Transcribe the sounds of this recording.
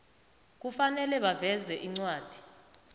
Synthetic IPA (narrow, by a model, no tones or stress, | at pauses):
k̬ufanɛlɛɓavɛzɛʔiŋ͡ǀwaːd̥ʱi̥